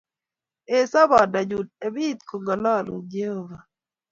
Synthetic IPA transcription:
e˨sa˦βɔ˨da˨d͡ʒu˨d̚e˨bi˦t̪ko˨ɡɔ˨lɔ˦˨lṵ˨d͡ʒe˦ho˦va˨

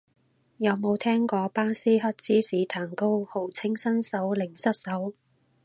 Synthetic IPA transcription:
jɐ˨˧wmo˨˧wt̪ʰɛː˥ŋkɔː˧paː˥siː˥ɦɐ˥t̚t͡siː˥siː˨˥t̪ʰaː˨˩ŋko˥who˨˥˩wt͡sʰɪ˥ŋsɐ˥nsɐ˨˥wlɪ˨˩ŋsɐ˥t̚sɐ˨˥w

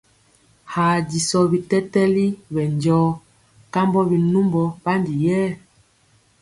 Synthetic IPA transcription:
ha˨di˨sɔ˨bi˨tɛ˦tɛ˦li˦βɛ˨nd͡ʒɔː˦ | ka˦mbɔ˦bi˨nu˦mbɔ˨ba˦ndi˨jɛː˦˨

